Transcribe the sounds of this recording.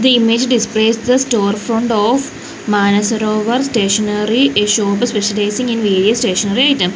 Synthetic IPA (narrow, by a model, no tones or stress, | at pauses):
d̪iimeːd͡ʒɖispleːsd̪ɐsʈoːɾfɾõɳɖɔːf | maːnɐsɐɾoːʋɐɾsʈeːʃɐnɐɾiʔeʃoːpɐspeʃɐlaɪsĩŋĩnʋeːɖiɐsʈeːʃɐnɐɾiaɪʈɐ̃m